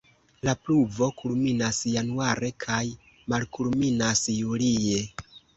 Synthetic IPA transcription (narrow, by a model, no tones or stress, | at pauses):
lapluvo̞kulminasjanuaɾe̞kʰaj | malkulminasjulie̞